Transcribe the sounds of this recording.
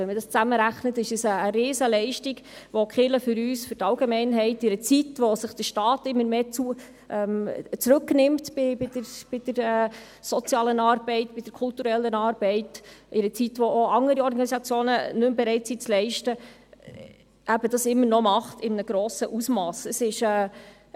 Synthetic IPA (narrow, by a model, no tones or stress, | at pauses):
ɛnmədɑst͡sæməɾæχnətɪʃəsəːɾeːsəlɛɪʃtiɡʋɔkχɪləfʏɾyːsfʏɾtɑlɡemɛɪnɦɛɪtɪɾət͡sitʋɔsɪχd̥əʃtɑːtɪmːəɾmeːt͡su | ʔɛmt͡sɾʉknɪmtbɪbɪdəɾb̥ɪd̥əɾɛ | sɔt͡sjɑːlənɑːɾbɛɪtb̥ɪd̥əɾkʰʊltuɾɛlːənɑːɾb̥ɛɪtʔɪɾət͡sitʋoʔoɑŋəɾiɔɾɡɑnisɑt͡sjoːnənɵmbɛɾɛɪtsit͡slɛɪʃtə | ʔæbədɑsɪmːəɾnɔmɑχtɪmnəɡ̥ɾoːsəʔusmɑːsəsɪʃɛː